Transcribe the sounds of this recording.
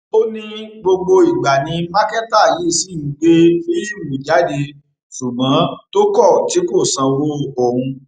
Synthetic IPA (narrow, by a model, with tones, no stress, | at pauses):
o˦nĩ˦ɡ͡bo˧ɡ͡bo˧i˨ɡ͡ba˨nĩ˧ma˦kɛ˦ta˦˨ji˨˦˨si˦i˨˦ɡ͡be˦fi˦i˦˨wũ˨d͡ʒa˨˦de˧ | su˨ɡ͡bã˨˦to˦kɔ˦˨ti˨˦ko˦˨sã˧wo˦˨ɔ˨hũ˧